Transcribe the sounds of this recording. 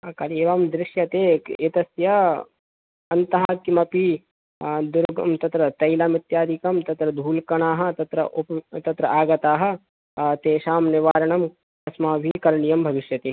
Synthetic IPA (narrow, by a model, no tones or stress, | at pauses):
ɐkɐɾeːʋɐmd̪ɾɪʃjɐt̪eːket̪ɐsjɐ | ɐnt̪ɐɦakimɐpi | d̪ʊɾɡɐmt̪ɐt̪ɾɐt̪ɐjlaːmɪt̪jaːd̪ikɐmt̪ɐt̪ɾɐd̪ʱuːlkɐɳ̃aːɦɐ̆t̪ɐt̪ɾɐʔupt̪ɐt̪ɾɐʔaːɡɐt̪aːɦɐ̆ | t̪eːʃaːmnɪʋaːɾɐɳɐm | kɐsmaːbʱikɐɾɳijɐmbʱɐʋiʃjɐt̪i